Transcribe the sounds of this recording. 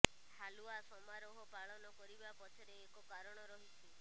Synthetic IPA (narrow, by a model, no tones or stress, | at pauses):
haluasɔmaɾoɦɔpaɭɔnɔkɔɾibapɔt͡ʃʰɔɾeːkɔkaɾɔɽ̃ɔɾɔɦit͡ʃʰi